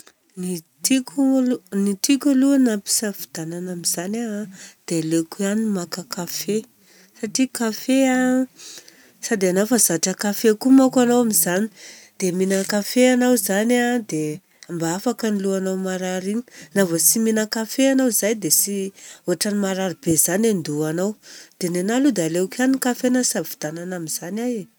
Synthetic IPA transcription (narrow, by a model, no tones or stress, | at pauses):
nit̪ikʲulunit̪ikʲaluanapi̥savid̪̥ananamizanad̪̥elekuanimakakafe | saʈ͡ʂikafea | sad̪eanafəzaʈ͡ʂəkafekumakanowamizani̥d̪̥eminəkafeanawzanad̪e | ambaafakəniluanawmaɾaɾiɲi̥navəsiminəkafeanawizajd̪esioaʈ͡ʂanimaɾaɾibez̥anand̪uanawd̪̥enenalud̪aleukanikafenasavi̥d̪ananamiz̥anaje